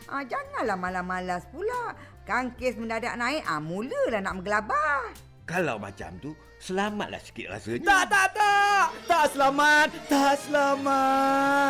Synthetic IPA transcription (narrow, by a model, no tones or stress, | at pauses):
ʔad͡ʒaŋanlahmalamalaspulaʔ | kaŋkesməndada̰ʔ̚naɪʔa̰muləlahnaʔməɡəlabah | kala̰wma̰t͡ʃa̰mt̪u | səlama̰t̪̚la̰hsi̥kɪt̪̚ra̰sət̪aʔt̪at̪aʔt̪aʔsəlamat̪̚ːaʔsəlamat